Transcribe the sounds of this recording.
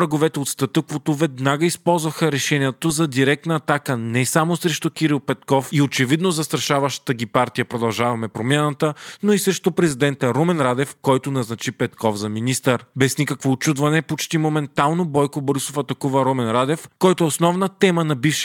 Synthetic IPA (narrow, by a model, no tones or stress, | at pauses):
ɾɐɡovɛt̪ɛot̪st̪ɐt̪əkvot̪ovɛd̪naɡəispɔlˠzvɐxəɾɛʃɛniɛt̪ozɐd̪iɾɛk̚t̪nɐːt̪akənɛsamosɾɛʃt̪okʲiɾilˠpɛt̪kɔfiot͡ʃɛvid̪nozɐst̪ɾɐʃavɐʃt̪ə̥t̪əɡʲipaɾt̪ijəpɾod̪ɐlˠʒavɐmɛpɾomʲjanɐt̪ənoisɾɛʃt̪opɾɛzid̪ɛnt̪əɾomɛnɾad̪ɛfkɔjt̪onɐznɐt͡ʃipɛt̪kɔfzɐminist̪əɾbɛsnikəkvoːt͡ʃud̪vɐnɛpot͡ʃt̪imomɛnt̪alˠnobɔjkoboɾisofɐt̪ɐkuvɐɾomɛnɾad̪ɛfkɔjt̪oɛosnɔvnət̪ɛmənɐbifʃ